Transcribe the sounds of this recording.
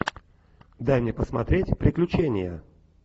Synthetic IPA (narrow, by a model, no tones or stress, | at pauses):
d̪ajmnʲepəsmɐt̪ɾʲetʲpɾʲɪklʲʉt͡ɕenʲɪjə̰